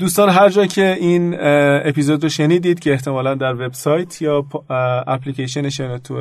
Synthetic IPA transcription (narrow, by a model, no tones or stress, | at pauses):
d̪uːst̪ɒːnɦæɾd͡ʒɒːcʰe̞iːnepiːzod̪roʃe̞niːd̪iːd̪̥cʰe̞eht̪ʰe̞mɒːlænd̪æɾve̞bsɒːjt̪ʰjɒːpæpliːceʃ̬eneʃenet̪ʰu